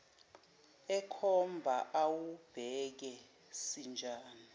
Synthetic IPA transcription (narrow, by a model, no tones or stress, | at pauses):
ɛkʰɔmbʱaʔawub̥ʱɛk̬ɛ | sind͡ʒʱaːni